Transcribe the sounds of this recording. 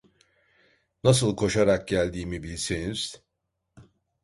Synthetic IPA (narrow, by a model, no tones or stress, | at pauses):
nas̬ɯlˠkʰo̞ʃaɾak̚ɟælʲd̪iːmibilʲseniz̥